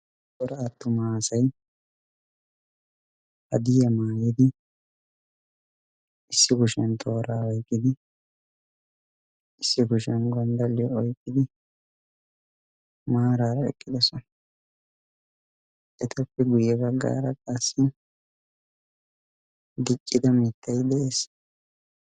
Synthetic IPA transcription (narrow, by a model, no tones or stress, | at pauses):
kɔɾɐɐt̪ːʊmaːsɐj | hɐd̪ɪjɐmaːjid̪ɪ | ɪsːɪɡʊʃɛnt̪ʰʼoːɾaːɔjkʼːɪd̪ɪ | ɪsːɪɡʊʃɛnɡɔnd̪ɐlːɪjɔɔjkʼːɪd̪ɪ | maːɾaːɾɐɛ̰kʼːɪd̪ɛsɔnɐ | ʔɛt̪ʰɐpːɛɡʊjːɛbɐɡːa̰ːɾɐkʼasːɪ | d̪ɪt͡ʃʼːɪd̪ɐmɪt̪ːɐjd̪ɛʔeːs